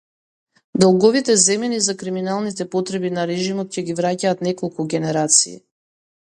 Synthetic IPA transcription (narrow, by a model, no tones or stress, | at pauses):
d̪ɔlˠɡɔvit̪ɛzɛmɛnizakɾiminalˠnit̪ɛpɔt̪ɾɛbinaɾɛʒimɔt̪̚cɛɡivɾacaːt̪nɛkɔlˠkuɡʲɛnɛɾat̪sḭː